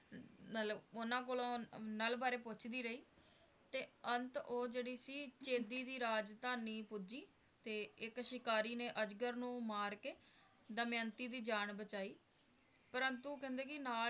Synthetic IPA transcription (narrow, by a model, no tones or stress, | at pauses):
mət̪ləbʊnãːkoːlõːnəlbaːɾeːpʊt͡ʃʰd̪iːɾəiː | t̪eːənt̪oːd͡ʒeːɽiːsiːt͡ʃeːd̪iːd̪iːɾaːd͡ʒt̪aːniːpʊd͡ʒiː | t̪eːɪkʃɪkaːɾiːneːʔəd͡ʒɡəɾnũːmaːɾkeː | d̪əmjənt̪iːd̪iːd͡ʒaːɳbət͡ʃaːiː | pəɾənt̪ukɛ̃ːnd̪eːkɪnaː